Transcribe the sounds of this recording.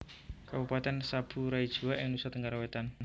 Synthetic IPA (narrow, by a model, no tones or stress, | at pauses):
kabupat̪ɛnsab̥ṳɾaid̥ʒ̥uwaʔɪŋnusat̪əŋɡaɾawet̪an